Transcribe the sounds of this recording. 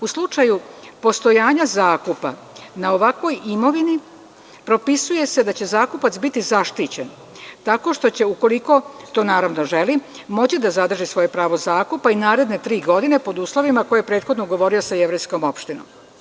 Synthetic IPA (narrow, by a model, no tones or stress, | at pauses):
uslˠut͡ʂajupo̞st̪o̞jaːɲazaːkupa | nao̞ʋakʋo̞jimo̞ʋini | pɾo̞pisuje̞se̞d̪at͡ɕe̞zaːkupat̪sbit̪izaʃt̪it͡ɕen | t̪ako̞ʃt̪o̞t͡ɕe̞uko̞liko̞t̪o̞ːnaːɾaʋnoʒe̞li | mo̞t͡ɕid̪azad̪r̩ʒisʋo̞jepɾaːʋo̞zaːkupainaːɾe̞d̪ne̞t̪ɾiːɡo̞d̪ine̞po̞d̪uːslˠo̞ʋimako̞jepɾe̞ːt̪xod̪noɡo̞ʋo̞ɾio̞saeʋɾe̞jsko̞mo̞pʃt̪ino̰m